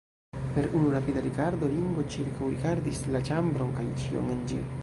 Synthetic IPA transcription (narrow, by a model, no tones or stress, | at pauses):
pe̞ɾunuɾapid̪aɾikaɾd̪o̞liŋɡo̞t͡ʃiɾkawɾikaɾd̪islat͡ʃambɾo̞ŋkajut͡ʃio̰ŋend͡ʒḭ